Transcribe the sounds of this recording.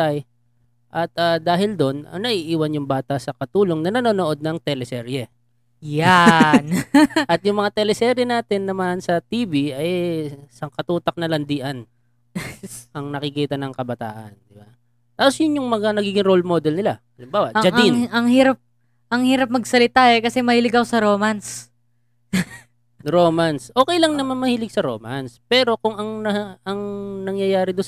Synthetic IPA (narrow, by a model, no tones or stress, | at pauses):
t̪ɐj | ʔɐt̪̚ad̪aːɦɪld̪o̞nɐ̰ŋnɐʔiʔiːwɐnjʊŋbaːt̪ɐʔsɐkɐt̪uːlo̞ŋnɐnɐnoːnoʔo̞d̪̚nɐŋt̪ɛlɛsɛɾjɛ | janʔɐt̪̚jʊŋmɐŋat̪ɛlɛsɛɾjɛnaːt̪ɛnːɐmansɐt̪iːbiɐjsɐŋkɐt̪uːt̪ɐk̚nɐlɐnd̪iːʔɐn | ʔɐŋnɐkɪkiːt̪ɐnɐŋkɐbɐt̪a̰ːʔɐnd̪ɪba | t̪aːposjʊnjʊŋmɐŋanɐɡiːɡɪŋɾolmod̪ɛlnɪlaʔɐlɪmbaːwɐ̰ʔd͡ʒɐiŋnɐŋhiːɾɐp̚ | ʔɐŋhiːɾɐp̚mɐɡsɐlɪt̪aʔɛkɐsɛmɐhiːlɪɡɐkosɐɾoːmɐns | ɾoːmɐnsʔo̞ːkɛjlɐŋnɐmanmɐhiːlɪɡ̚sɐɾo̞̰ːma̰nspɛːɾo̞kʊŋɐŋnɐɐŋnɐŋjɐjaːɾɪd̪on